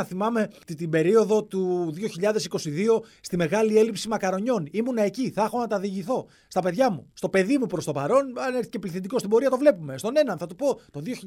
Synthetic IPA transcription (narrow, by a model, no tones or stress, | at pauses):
ɐθimɐme̞t̪t̪ibe̞ɾio̞ðo̞t̪uðio̞çiʎɐðe̞si̥ko̞siðio̞st̪ime̞ɣɐlie̞lipsimɐkɐɾo̞ɲo̞nimunɐe̞ciθɐxo̞nɐt̪ɐðiʝiθo̞ | st̪ɐpe̞ðʝɐmust̪o̞pe̞ðimupɾo̞st̪o̞pɐɾo̞nɐneɾθicepliθend̪ikost̪ibo̞ɾiɐt̪o̞vle̞pume̞st̪o̞ne̞nɐnθɐt̪upo̞t̪oðioçi